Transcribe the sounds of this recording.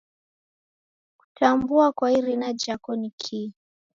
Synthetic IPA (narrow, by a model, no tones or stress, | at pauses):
ku̥tʰambuakwaiɾinad͡ʒakɔnikʰi